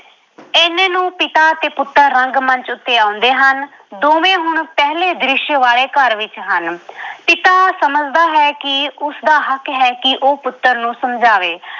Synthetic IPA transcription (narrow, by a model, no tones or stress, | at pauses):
ɪnẽːnũːpɪt̪aːt̪eːpʊt̪ːəɾːəŋɡmənt͡ʃʊt̪ːeːãːʊnd̪eːɦən | d̪oːmẽːɦʊɳpɛɦleːd̪ɾɪʃjʋaːleːkəɾʋɪt͡ʃɦənpɪt̪aːsəməd͡ʒd̪aːɦɛːkɪʊsd̪aːɦəkɦɛːkɪʔoːpʊt̪ːəɾnũːsəmd͡ʒaːʋeː